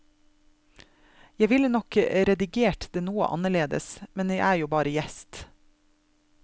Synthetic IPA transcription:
jæʋɪlənɔkɾɛd̪ɪɡeːʈd̪eːnuːə̰ʔɑ̰nəɭeːd̪ə̰smɛnjæɪʔæːɾjuːbɑːɾəjɛst̪

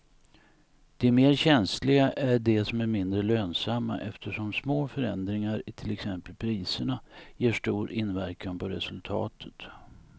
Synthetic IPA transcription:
d̪̥ɛmeːɾɕɛnslɪɡaʔæɖɛsɔmæɾmɪnd̪ɾəløːnsamːa̰ʔɛft̪ʰəʂɔmsmoːfœɾɛnd̪ɾɪŋaɾɪt̪ʰɪlɛksɛmpəlpʰɾiːsəɳajeːʂʈuːɾɪnvæɾkʰanpʰɔɾɛsɵlt̪ʰɑ̰ːt̪ʰə̥t̪

